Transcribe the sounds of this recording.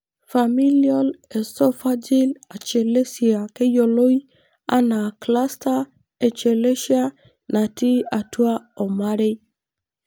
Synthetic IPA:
fa˨mi˦li˦a˦le˨sɔ˦fa˦d͡ʒi˦la˨t͡ʃe˨le˦si˨a˨ke˦jo˨lo˦i˦ | a̰˦na˨kla˦sta˦ | e˨t͡ʃe˨le˦ʃi˦a˦ | na˨ti˦a˨tu˦a˦ɔ˨ma˦ɾɪ˦

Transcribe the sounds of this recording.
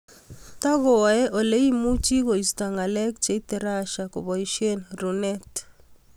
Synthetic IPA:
ta˦ɣɔ˨ɛ˦ʔo˨le˦i˦mu˦t͡ʃi˦ko˨i˨sta˨ŋa˨lɛ˦k̚t͡ʃe˨˦i˦tɛ˦ɾa˦ʃa˨ko̰˨βɔ˨i˦ʃe˦nɾu˨nɛ˦t

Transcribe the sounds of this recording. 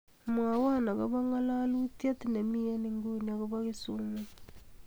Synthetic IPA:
mwa˨wa˦na˨ɣa˦βa˦ŋa˦la˦lu˦tja˦ti˦na˨mi˦a˦ni˦ŋɡo˦ni˨a˨ko˦βa˦ɣe˦su˦ma˦

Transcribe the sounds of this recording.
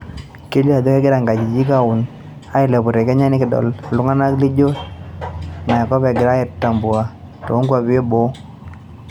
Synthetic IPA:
ke˦li˦a˨dɔ˦kɛ˦ɡɪ˦ɾa˨ŋɡa˨d͡ʒi˨d͡ʒi˦ka˦ʊ˨n | a˦ɪ˨lɛ˨bʊ˨ɾe˨kɛ˦ɲa˦nɪ˦kɪ˨dɔ̰˨la˨lʊ˦ŋa˦na˦kli˦d͡ʒo˦t | na˨kɔ˦bɛ˨ɡɪ˨ɾa˦ɛ˨ttːa˨mbu˨a˨ | tɔ˨˦ŋɡwa˨bɪ˦e˦bo˦

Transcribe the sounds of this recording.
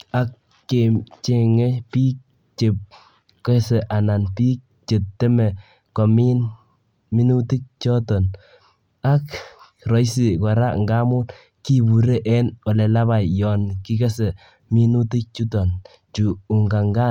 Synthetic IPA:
a˦kː | e˨t͡ʃe˨ŋɛ˦pi˦k̚ | t͡ʃe˨p̚ | kɛ˦sɛ˨ʔa˨na˨npi˦k̚t͡ʃe˨tːɛ˦mɛ˨ | kɔ˨mi˦n | mi˦nu˦ti˦k̚t͡ʃɔ˦tɔ˨n | a˦k | rɔ˨˦jsi˨kɔ˨ɾa˦ŋɡa˦mu˦t | ki˦bu˨ɾe˦ʔɛ˦nɔ˨lɛ˨la˦ba˨jjɔ˨nki˦kɛ˦sɛ˨ | mi˦nu˦ti˦k̚t͡ʃu˦tɔ˨n | t͡ʃu˨u˨ŋɡa˨ŋɡa˦

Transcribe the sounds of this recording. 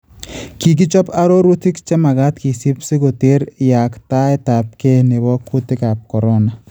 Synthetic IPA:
ki˨k̬i˦t͡ʃɔ˦pa˦ɾo˦ɾu˦ti˦kt͡ʃe˦ma˨ka˦tki˨si˦psi˦ko˨te˦ɾja˨kta˦e˦ta˨p̚ke˦ne˨bɔ˦kʰu˦ti˦kaː˨p̚kɔ˨ɾo˦na˨

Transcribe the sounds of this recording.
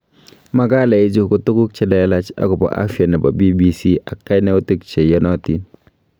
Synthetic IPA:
ma˦˨ɡa˦la˨i˦d͡ʒu˦˨ku˦tu˦ku˦k̚t͡ʃɛ˦da˨˦la˦t͡ʃa̰˨ku˨ba̰˨ʔa̰˦fi˦a˨nɛ˨ba̰˨bi˦bi˦si˦ʔa˨kːa˦ne˦u˦tu˦kt͡ʃe˨jɔ˦nɔ˦ti˦

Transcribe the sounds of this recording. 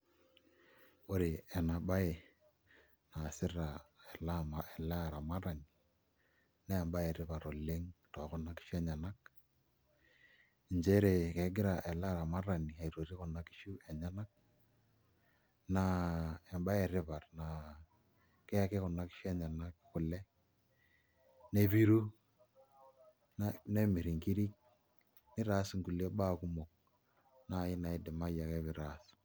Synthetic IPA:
o˦ɾi˨ɛ˨na˨ba˦e˨ | na˨sɪ˦ra˨ɛ˨la˦ma˨ɛ˨la˦˨ɾa˨ma˦ɾa˨ni˨ | na˦ɛ˨mba˦e˨ɾɪ˦pa˨to˨le˦ŋtɔ˨˦kʊ˦na˦ki̥˦ʃu˦ɛ˦ɲa˨na˦k | ɲd͡ʒe˦ɾe˨kɛ˨˦ɡɪ˦ɾa˨ʔɛ˨la˦ɾa˨ma˦ɾa˨ni˨a˨i˨to˨ɾi˦kʊ˨na˦ki̥˦ʃu˦ɛ˨ɲa˦na˦k̚ | na˦ɛ˨mba˦ɛ˨ɾɪ˦βa˨rna˨ | kɛ˦kɪ˦kʊ˨na˦ki̥˦ʃu˦ɛ˦ɲa˨na˦kɪ˦kʊ˨lɛ˦ | ne˦βi˦ɾu˦ | n˦ne˦mi˨ɾi˨ŋki˦ɾi˦k̚ | nɪ˦ɾa˨˦sŋ̩˦ku˨le˦ba˦˨ku˦mo˨k̚ | na˦˨jɪ˦na˨ɪ˦dɪ˨ma˦ja˨kɛ˦βɪ˦ɾa˦˨s

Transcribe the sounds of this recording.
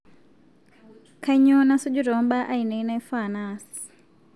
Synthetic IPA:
kʰa˦iɲɔ˦na˦su˦d͡ʒu˦ɾɔ˨˦mba˦ʔa˦i˨ne˨i˦na˦jfa˨naː˦si̥

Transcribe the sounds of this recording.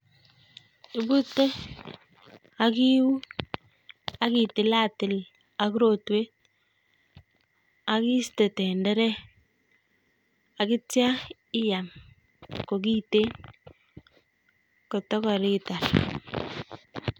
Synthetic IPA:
ɪ˨bu˦tːe˦ | a˦ki˦wu˦ | a˦ki˨tɪ˨la˦˨tɪ˨l | a˨ku˦ɾo˨twe˦t̚ | a˨ki˦ste˨tɛ˨ndɛ˦ɾɛ˦ | a˨kɪ˦tja˦ | ɪ˦ja˨m | ko˨ki˦te˦n | ko˨tɔ˦kɔ˨ɾi˦ta˨ɾ

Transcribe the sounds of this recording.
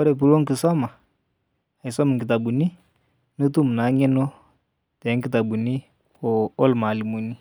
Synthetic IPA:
ɔ˦ɾɛ˨p̬u˨lɔ˦ŋki˨sɔ˦ma˨ | i˨sɔ˦mu˨ŋki˨t̬a˨bu˨ni˦ | nu˦tu˦m˨na˨˦ŋɛ˦nɔ˦ | tɛ˨˦ŋ˦ki˦ta˨bu˨ni˦ | ɔ˨ɔ˦lma˨li˨mu˨ni˦

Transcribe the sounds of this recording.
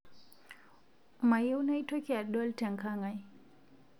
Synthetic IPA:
ma˨je˦wna˦itɔ˦kia˨ɗɔ˦ltɛ˨ŋka˦ŋaj

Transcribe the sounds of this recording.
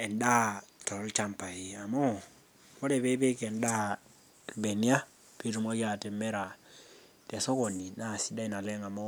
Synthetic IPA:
e˨nda˦to˨ɾlt͡ʃa˦mpa˨i˨a˨mo˦ | ko˦ɾe˨pe˦pe˦ke˨nda˦˨ | be˨ni˦a˦ | pi˦tu˨m˦a˦ki˦a˨te˨me˦ɾa˨ | te˨so˦ko˨ni˨na˦˨si˦da˦i˨na˨le˦ŋa˨mo˦

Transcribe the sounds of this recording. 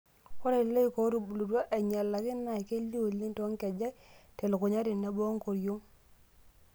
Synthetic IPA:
ko˦ɾe˨le˦ko˨˦ɾu˨blu˨twa˦ʔɛ˨ɲa˨lːa˨kɪ˦nːa˨i˨ke˦li˦o˨lːi˦nto˨˦ŋkɛ˨d͡ʒa˦te˨lʊ˨kʊ˨ɲa˦ɾɪ˨na˨˦bo˦ŋ˦ko˨ɾjo˦ŋ

